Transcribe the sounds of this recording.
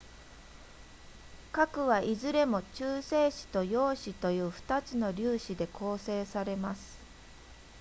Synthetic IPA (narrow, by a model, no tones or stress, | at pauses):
kakɯ̟βaʔizɨɾe̞mo̞t͡ɕɨːse̞ːɕi̥t̪o̞jo̞ːɕit̪o̞jɯ̟ːɸɯ̟̥t̪at͡sɨno̞ɾʲɨːɕid̪e̞kʰo̞ːse̞ːsaɾe̞masɨ̥